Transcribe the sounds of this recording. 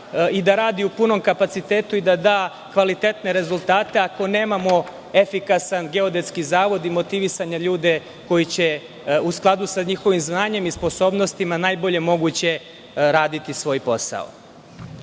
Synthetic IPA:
id̪aɾaːd̪iupuno̞mkapat̪sit̪e̞ːt̪uid̪ad̪aː | kʋalit̪e̞t̪ne̞ɾe̞zulˠt̪aːt̪e̞ako̞ne̞ːmamo̞ | e̞fikasanɡe̞o̞d̪e̞t̪skizaːʋo̞d̪imo̞t̪iʋisaɲaʎuːd̪e̞ | ko̞jit͡ɕe̞ | usklˠad̪usaɲixo̞ʋimznaːɲe̞mispo̞so̞ːbno̞st̪imanaːjbo̞ʎe̞mo̞ɡut͡ɕe̞ | ɾaːd̪it̪isʋo̞ːjpo̞sa̰o̰

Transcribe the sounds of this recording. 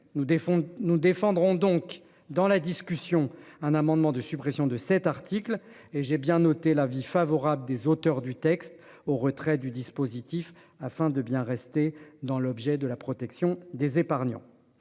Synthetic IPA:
ũnud̪efɑ̃d̪ʁɔ̃d̪ɔ̃k | d̪ɑ̃lad̪iskʲysjɔ̃ɛ̃namɑ̃d̪mɑ̃d̪əsypχɛsjɔ̃d̪əsɛt̪aʁt̪ʰikl | eʒebjɛ̃nɔt̪elavifavɔʁabləd̪ezot̪œʁd̪yt̪ɛkst̪ | oʁət̪χɛd̪yd̪ispozit̪if | afɛ̃d̪əbjɛ̃ʁɛst̪ed̪ɑ̃lɔbʒɛd̪əlapχɔt̪ɛksjɔ̃d̪ezepaʁnjɑ̰̃

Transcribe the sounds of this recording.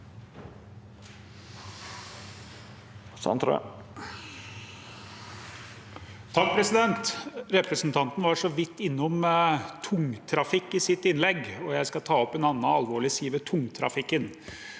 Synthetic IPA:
sɑ̰nt̪ɾə̰ | t̪ʰɑk̚pʰɾɛsɪd̪ɛnt̪ɾɛpɾəsnt̪ʰɑnt̪n̩ʋɑʂɔʋɪt̪ːɪnːʊmt̪ʰʊŋt̪ʰɾɑfɪkːɪsɪt̪ɪnlɛɡɔjæɪskɑt̪ʰɑːɔpɛnɑnːəɑlʋoːɭɪsiːʋət̪ʰʊŋt̪ʰɾɑ̰fɪkːən

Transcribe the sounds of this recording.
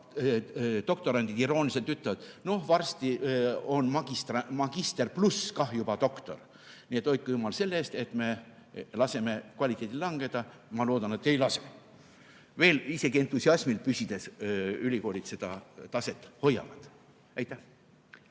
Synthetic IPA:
t̪o̞kt̪o̞ɾɑnd̪id̪̥iɾo̞ːnilise̞lt̪yt̪ːɑvɑd̪̥no̞hvɑrst̪io̞nmɑɡ̥ist̪rɑmɑɡ̥ist̪e̞rpluskɑhjub̥ɑt̪o̞kt̪o̞̰r | niet̪ːˑo̞jt̪̚kujumɑlse̞lːeːst̪e̞t̪me̞ | lɑse̞me̞kvɑlʲit̪ːˑe̞ːt̪ʲilɑŋɡ̥e̞d̪̥ɑ | mɑloːd̪ɑne̞t̪ːe̞jlɑse | ve̞ːlise̞ɡie̞nt̪ːˑusiɑsmilpysid̪̥e̞sylʲiko̞ːlit̪se̞d̪̥ɑt̪ɑse̞t̪ːˑho̞jːɑ̰vɑd̪̥ | ejt̪ːˑæh

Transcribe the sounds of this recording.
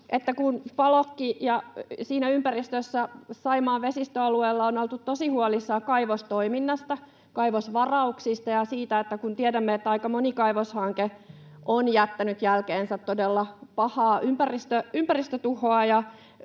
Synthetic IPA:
ʔet̪ːækunpɑlokːijɑsiːnæympærist̪øsːæsɑimɑːʋʋesist̪øɑlueːlːɑonolt̪ut̪t̪osihuolisːɑːkɑiʋost̪oiminːɑst̪ɑ | kɑiʋosʋɑrɑuksist̪ɑjɑsiːt̪æet̪ːækunt̪iedæmːeet̪ːæɑikɑmonikɑiʋoshɑŋke | ʔonjæt̪ːænyt̪jælkeːnsæt̪todelːɑpɑhɑːʔympærist̪øympærist̪øt̪uhoɑjɑ

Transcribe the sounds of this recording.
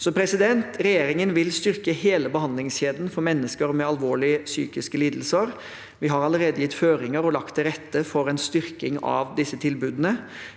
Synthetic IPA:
sɔpʰɾɛsɪd̪ɛnt̪ɾɛjeːɾɪŋənʋɪlst̪ʏɾkəheːləbəhɑnd̪lɪŋsɕeːd̪n̩fɔɾmɛnːəskəɾmɛɑlʋoːɭɪəsy̰ːkɪskəliːd̪l̩səɾ | ʋɪɦɑɾɑləɾeːd̪əjɪt̪ːføːɾɪŋəɾɔlɑkt̪ʰːɪɾɛt̪ːəfɔɾɛnst̪ʏɾkɪŋɑ̰ʋd̪ɪsːət̪ʰɪlbʉːd̪ənə

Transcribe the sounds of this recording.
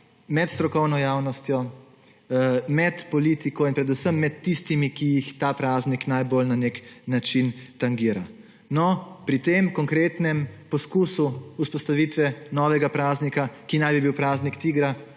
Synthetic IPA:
mɛt̪st̪ɾɔkɔwnɔjaːwnɔst̪jɔ | mɛt̪pɔliːt̪ikɔinpɾɛd̪usəmːɛt̪ːist̪imikijixt̪aːpɾaːzniknajbolnaneknat͡ʃint̪aŋɡiːɾa̰ | nɔpɾit̪emkɔŋkɾeːt̪nɛmpɔskuːsuuspɔst̪aʋiːt̪ʋɛnɔːʋɛɡapɾaːznikakinajbibiwpɾaːznikt̪iːɡɾa

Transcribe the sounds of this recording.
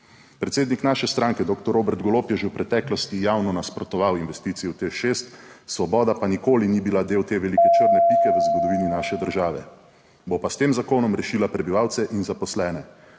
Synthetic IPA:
pɾɛt̪seːd̪niknaːʃɛst̪ɾaŋkɛd̪oːkt̪ɔɾoːbɛɾt̪ɡɔloːpjɛʒewpɾɛt̪ɛːklɔst̪ijawnɔnaspɾɔt̪ɔʋawinʋɛst̪iːt̪sijɛwt̪exʃeːst̪sʋɔbɔːd̪apanikoːlinibilad̪eːwt̪eːʋɛlikɛt͡ʃəɾnɛpiːkɛʋəzɡɔd̪ɔʋiːninaʃɛd̪əɾʒaːʋɛ | bopast̪eːmzakoːnɔmɾɛʃiːlapɾɛbiʋawt̪sɛʔinzapɔslɛːnɛ

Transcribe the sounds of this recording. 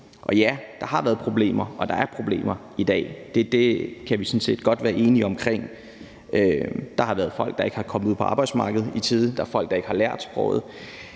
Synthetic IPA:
ʔɒ̽jæd̥ɑ̈ɦɑ̈ʋæːɐð̩ˠpʰʁo̝ble̝̰ːmɐʔɒ̽d̥ɑ̈æɐpʰʁo̝b̥le̝̰ːmɐ | id̥ɛ̰ːd̥e̝d̥e̝kʰæʋisɔ̽nse̝̰ːd̥ɡ̥ɒ̽d̥ʋæːɐʔe̝ːniɒ̽mkʰʁeŋ̰ | ʔød̥ɑ̈hɑ̈ʋæːɐðˠfɒ̽l̰ɡ̥d̥ɑ̈e̝ɡ̥əhɑ̈kʰɒ̽mð̩uð̰ˠpʰɒ̽ɑ̈ːb̥ɑɪdsmɑ̈ːɡ̥əð̞̩ˠit͡sʰiːðˠn̩d̥ɑæɐfɒ̽l̰ɡ̥̚d̥ɑ̈e̝ɡ̥hɑ̈læɐ̰d̥sb̥ʁɔːð̞̩ˠ

